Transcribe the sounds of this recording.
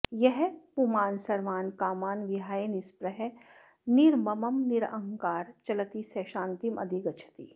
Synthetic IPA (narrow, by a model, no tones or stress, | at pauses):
jɛɦpumaːnsɐɾʋaːnkaːmaːnʋɪɦaːenɪspɾəɦɛ | nɪɾmɐmɐmnɪɾə̰̃ŋkaːɾt͡ʃɐlət̪isɛʃãːnt̪imʔɐ̰d̪ʱikɐt͡ʃʰə̥t̪ḭː